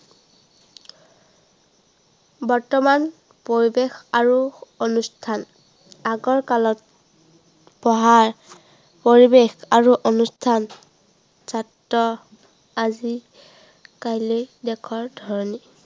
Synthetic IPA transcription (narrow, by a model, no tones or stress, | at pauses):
bɔɹtɔman | poɹibexaɹuonustʰan | aɡɔɹkalɔt̚ | pɔɦaɹ | poɹibexaɹuʔonustʰan | satːɔ | azi | kajlojdɛkʰɔɹdʱɔɹɔni